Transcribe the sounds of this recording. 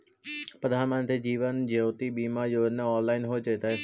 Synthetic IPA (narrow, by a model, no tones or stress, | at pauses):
pɾəd̪ʱaːɾmãnt̪ʰed͡ʑiːʋənd͡ʑəʊt̪iɓiːmajoɪnəɔːnlaːɪnɦot͡ʃet̪ae